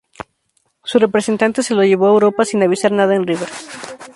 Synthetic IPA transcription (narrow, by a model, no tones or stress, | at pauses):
sure̞pɾese̞nt̪ant̪e̞se̞loʝe̞β̞oaewɾo̞pasinaβ̞isaɾnað̞aenriβeɾ